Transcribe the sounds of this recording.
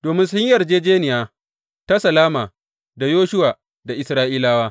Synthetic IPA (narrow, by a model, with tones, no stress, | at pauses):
d̥oː˨mɪ˦nsʊ˦ɲ˦ɐ˨rd͡ʒeː˦d͡ʒeː˦nɪ˨jaː˦ | ta˦sɐ˨laː˦maː˨ | da˨joː˦ʃʊ˦waː˨ | da˨ʔɪ˨sɾaː˦ʔiː˦laː˦waː˦